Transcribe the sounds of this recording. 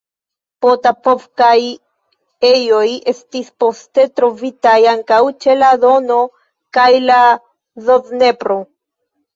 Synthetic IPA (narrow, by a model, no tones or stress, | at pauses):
potapo̞vkaj | ejo̞je̞stispo̞ste̞tɾo̞vitajaŋkawt͡ʃe̞lado̞no̞ | kajla | zo̞zne̞pɾo̞